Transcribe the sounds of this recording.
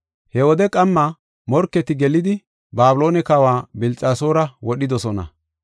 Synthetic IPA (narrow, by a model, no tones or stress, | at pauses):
hɛwɔd̪ɛkʼɐmːɐ | mɔɾkːɛt̪ɪɡɛlɪd̪ɪ | baːbɪlo̞ːnɛkɐwaːbɪlt͡sʼaːso̞ːɾɐwɔɗɪd̪ɔsɔnɐ̰